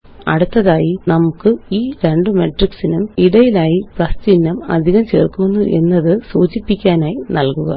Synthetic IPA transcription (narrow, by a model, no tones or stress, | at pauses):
ɐ̰ɽut̪ːɐðaːjinɐmukːɨiːɾeɳɖɨmeʈriksinumiɽɐjilaːjiprɐst͡ɕinːɐmɐ̰d̪ʱiɣɐmt͡ɕḛːrkunːuʔe̞̰nːɐðɨsuːt͡ɕipːikʲːaːnaːjinɐlkuɣɐ̰